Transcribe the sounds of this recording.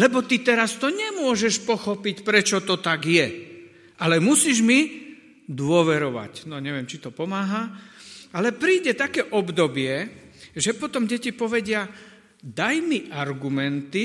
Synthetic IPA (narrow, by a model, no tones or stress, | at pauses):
lɛbɔt̪it̪ɛɾast̪ɔɲɛmʊɔʒɛʃpɔxɔpicpɾɛt͡ʃɔt̪ɔt̪aɡjɛ | ʔalɛmusiːʒmi | d̪ʊɔʋɛɾɔʋa̰cnɔɲɛʋɪɛmt͡ʃit̪ɔpɔmaːɦa | alɛpɾiːɟɛt̪akɛːʔɔbd̪ɔbɪɛʒɛpɔt̪ɔmɟɛcipɔʋɛɟɪa | d̪ajmiʔaɾɡumɛnt̪i